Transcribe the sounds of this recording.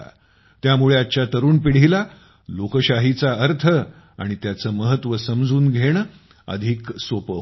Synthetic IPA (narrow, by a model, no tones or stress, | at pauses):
t̪jamuɭeat͡ɕjat̪əɾuːnpiɽ̤ila | lokəɕaɦit͡saəɾt̪ʰə | a̰ɽ̃it̪jat͡səːməɦət̪ʋəsəmd͡zʱuːnɡʱeɳ̃ | ə̰d̪ʱiːksopə